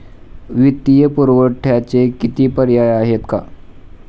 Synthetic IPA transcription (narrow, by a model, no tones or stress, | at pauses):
ʋit̪ːijəpuɾʋəʈʰjat͡sekit̪iːpəɾjajaɦet̪ka̰